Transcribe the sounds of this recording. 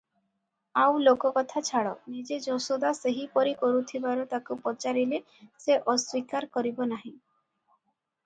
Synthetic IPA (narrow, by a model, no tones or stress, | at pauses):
awlokɔkɔt̪ʰat͡ʃʰaɽɔnid͡ʒed͡ʒɔsod̪aseɦipɔɾikɔɾut̪ʰibaɾɔt̪akupɔt͡ʃaɾile | seʔɔswikaɾkɔɾibɔnaɦĩ